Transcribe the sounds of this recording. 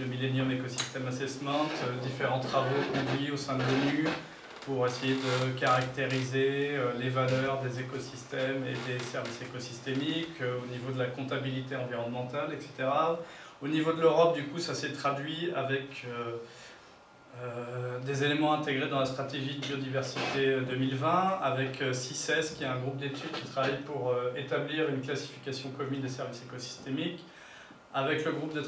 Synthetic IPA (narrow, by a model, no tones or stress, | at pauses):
d̪əmilenjɔmekɔsi̥st̪ɛmasesmɛ̃t̪d̪ifeʁɑ̃t̪χavopod̪ɥiosɛ̃d̪əlony | puʁesejed̪əkaʁak̚t̪eʁizeølevalœʁd̪ezekɔsist̪ɛmḛd̪esɛʁvisekɔsist̪emikʰøonivod̪əlakɔ̃t̪abilit̪eɑ̃viʁɔnmɑ̃t̪alɛkse̥t̪eʁa | onivod̪əløʁɔp̚d̪ykusasɛt̪χad̪ɥiavɛkø | ød̪ezelemɑ̃ɛ̃t̪eɡʁed̪ɑ̃last̪χat̪eʒid̪əbiod̪ivɛʁsit̪ed̪əmilvɛ̃avɛkʰøsisɛskʲiɛɛ̃ɡʁup̚d̪et̪ʰyd̪kʲi̥t̪χavajpuʁøet̪abliʁynklasi̥fi̥kasjɔ̃kɔmynd̪esɛʁvisekɔsi̥st̪emik | avɛkləɡʁup̚d̪e